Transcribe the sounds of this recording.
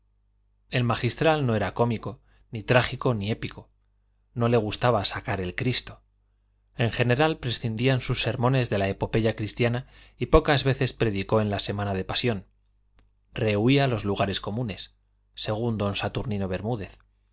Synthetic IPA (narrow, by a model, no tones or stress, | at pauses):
e̞lmaxist̪ɾalno̞e̞ɾako̞miko̞ | nit̪ɾaχiko̞nie̞piko̞ | no̞le̞ɣ̞ust̪aβasakaɾe̞lkɾist̪o̞ | e̞ŋxe̞ne̞ɾalpɾe̞sθind̪iansusːe̞ɾmõne̞zðe̞laepo̞pe̞ʝakɾist̪jana | ipo̞kazβe̞θe̞spɾe̞ðiko̞e̞nlase̞mãnað̞e̞pasjo̞n | re̞uialo̞zluɣaɾe̞skomũne̞sː | e̞ɣ̞und̪o̞nsat̪uɾnino̞β̞e̞ɾmuð̞e̞θ